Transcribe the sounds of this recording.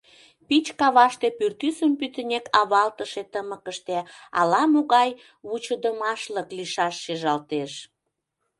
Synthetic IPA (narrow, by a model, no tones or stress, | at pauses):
pit͡ɕkɑβɑʃt̪epyrt̪ysəmpyt̪ənʲekɑβɑlt̪əʃet̪əməkəʃt̪eɑ̰lɑmoɣɑj | βut͡ɕəd̪əmɑʃləkliʃɑʃːeʒɑlt̪eʃ